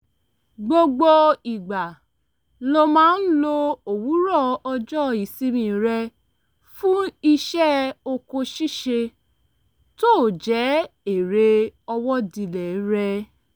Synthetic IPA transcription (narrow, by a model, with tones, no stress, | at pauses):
ɡ͡bo˧ɡ͡bo˧i˨ɡ͡ba˨ | lo˧mãː˦n̩˦lo˧o˨wu˨˦ɾɔ˦˨ɔ˧d͡ʒɔ˦˨i˨si˦mĩ˧˨ɾɛ˧ | fũ˦i˧ʃɛ˦o˧ko˧ʃi˦˨ʃe˧ | to˦˨d͡ʒɛ˨˦e˨ɾe˧ɔ˧wɔ˦di˧lɛ˨˦ɾɛ˧